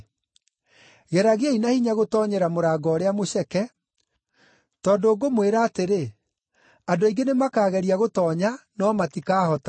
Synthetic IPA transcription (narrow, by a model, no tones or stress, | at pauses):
ɣɛɾaɣeainahiɲaɣotɔːɲɛɾamoɾaːɡɔːɾeamoɕɛkɛ | tɔːndoːɡomweɾaːteɾe | adoiɡenemakaːɣɛɾiaɣotɔːɲanɔmatikaːhɔta